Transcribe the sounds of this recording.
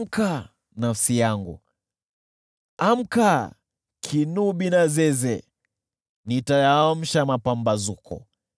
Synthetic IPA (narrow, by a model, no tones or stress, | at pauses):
ka | nafsijaŋɡṵ | am̩ka | kʰinuɓinazɛzɛ | nitajaɔm̩ʃamapambazukʰɔ̰